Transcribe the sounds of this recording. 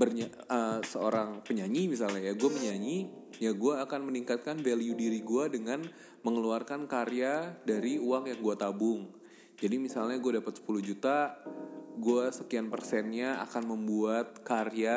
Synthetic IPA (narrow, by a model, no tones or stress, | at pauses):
bərɲaəsəoɾaŋpəɲaɲimisalɲajaɡuaməɲaɲi | jaɡuaːkanməniŋkat̪̚kanvaliudiɾiɡuadəŋan | məŋəluarkankaɾjadaɾiuwaŋjaŋɡuat̪abʊŋ | d͡ʒadimisalɲaɡuadapat̪sə̥pulʊhd͡ʒut̪a | ɡuasəkianpə̰rsɛnɲaa̰kanməmbuat̪̚karja